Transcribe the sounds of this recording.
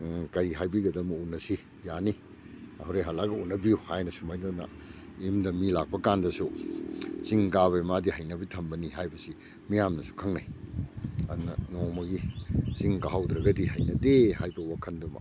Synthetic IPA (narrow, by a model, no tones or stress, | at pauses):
kɐɾiɦajbiɡɐdɐmɐunːɐsi | jani | ɐhwɾejɦalaɡɐunːɐbijuhajnɐsumajdanɐ̰ | imdɐmilak̚pɐkandɐsu | z̥iŋɡaβejmadihɐjnɐbitʰɐmbɐniɦajbɐsi | mijamnɐsu̥kʰɐŋnaj | ɐ̰dunɐnomɐɡiziŋɡaɦawdɾɐɡɐdihɐjnɐdehajbɐwakʰɐndɐmɐ̰